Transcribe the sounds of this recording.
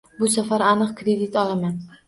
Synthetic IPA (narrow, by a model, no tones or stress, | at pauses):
bʊsafaɾanɨqkʰɾed̪it̪ɒlaman